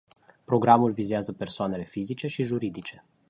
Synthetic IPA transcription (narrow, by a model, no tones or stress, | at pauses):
pɾo̞ɡɾamulvizeazəpe̞rsoane̞le̞fizit͡ʃe̞ʃiʒuɾid̪it͡ʃe̞